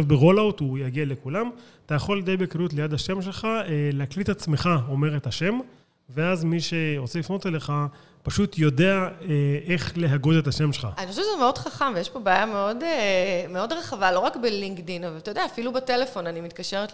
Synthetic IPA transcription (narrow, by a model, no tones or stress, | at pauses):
avbeʁolawtujaɡiale̞kulamat̪ajaχo̞ldejbekʁiut̬lejadhaʃe̞mʃe̞lχaeleaklitat͡sme̞χao̞me̞ʁetaʃe̞m | veazmiʃeʁot͡selifno̞tele̞χa | paʃutʰjo̞de̞aee̞χle̞ɦaɡodetaʃe̞mʃelχaaniχoʃɛvʃzemeo̞dχaχamvejeʃpobaːjameo̞demeo̞dʁaχavalo̞ʁakbeliŋɡdinavalt̪ajodeaːfilubetelefo̞nanimit̪kaʃeʁet